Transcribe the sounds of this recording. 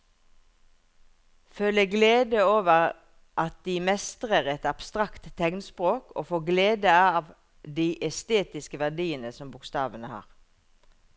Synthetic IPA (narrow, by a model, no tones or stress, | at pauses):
fœləɡleːd̪əoːʋəʁ | ʔɑt̪̚d̪iːmɛst̪əʁəʁɛt̪ɑb̥st̪ʁɑkt̪tːɛŋnspʁoːkʰo̰ːfoːɡleːd̪əɑːʋ | d̪iːʔɛst̪eːt̪ɪskəʋæʁɖ̪iːənəsɔmbʊkst̪ɑːʋənəhɑ̰ːʁ